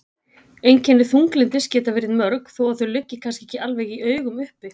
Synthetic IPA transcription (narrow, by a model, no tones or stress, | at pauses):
ejncʰɛnːɪθuŋklɪnt̪ɪscɛːt̪avɪɾɪmœɾkθowaθœɥlʏcːɪkʰanscɪe̥cɪalvɛːjɣiʔœːɥɣʏmʏhpɪ